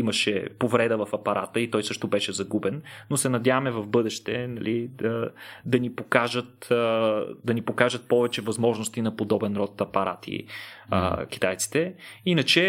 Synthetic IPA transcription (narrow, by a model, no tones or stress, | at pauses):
imɐʃɛ̰povɾɛd̪əvɐfɐpɐɾʔat̪əit̪ɔjsɤʃt̪ʊbɛʃɛzɐɡubɛnːosɛnɐd̪ʲjavəmɛvɐvbɤd̪ɛʃt̪ɛnɐlid̪əd̪ɐnipokaʒət̪ | d̪ɐnipokaʒət̪̚pɔvɛt͡ʃɛvɐzmɔʒnost̪inɐpod̪ɔbɛnɾɔt̪ɐpɐɾʔa̰t̪ʰḭə̰k̟ʲi̥t̪ajt̪si̥t̪ɛinɐt͡ʃɛ